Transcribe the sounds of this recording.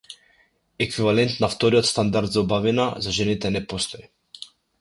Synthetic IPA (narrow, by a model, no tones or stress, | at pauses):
ɛkvivalɛnt̪naft̪ɔɾiɔt̪st̪and̪aɾd̪zaɔbavinazaʒɛnit̪ɛnɛpɔst̪ɔi